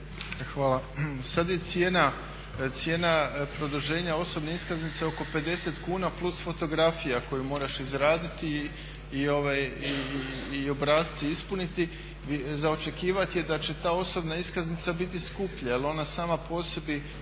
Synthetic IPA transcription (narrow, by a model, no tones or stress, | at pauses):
xʋaːlˠasad̪je̞t̪sje̞na | t̪sje̞ːnapɾo̞d̪oʒe̞ːɲao̞so̞bneiskaznit̪se̞o̞ko̞pe̞d̪e̞se̞t̪kuːnaplˠusfo̞t̪o̞ɡɾafijako̞jumo̞ːɾaʃizɾaːd̪it̪i | io̞ʋajiː | o̞bɾaːzit̪siispunit̪i | izao̞t͡ʃe̞kiːʋat̪je̞d̪at͡ɕe̞t̪aːo̞so̞bnaiskaznit̪sabit̪iskupʎaelo̞nasaːmapo̞ːse̞bi